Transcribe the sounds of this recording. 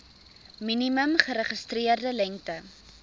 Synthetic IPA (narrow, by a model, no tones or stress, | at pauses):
miniməmχəɾəχəstriərdəlɛŋktə